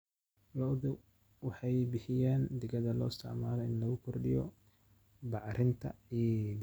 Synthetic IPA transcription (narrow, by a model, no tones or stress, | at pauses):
lɔðɪ | wɑħɑjbɪħɪjaːnd̪ɪɣɐðɐlɔːɪst̪ʰɪ̰ʕmaːlɔɪnlɐɣʊkʰɔrɖɪjɔ̰ | bɑʕɾʔɪnt̪ʰɐ̰id̪